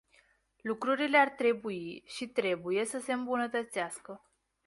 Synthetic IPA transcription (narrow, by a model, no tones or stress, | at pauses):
lukɾuɾile̞art̪ɾe̞buiʃit̪ɾe̞buje̞səse̞ɨmbunət̪ət̪seaskə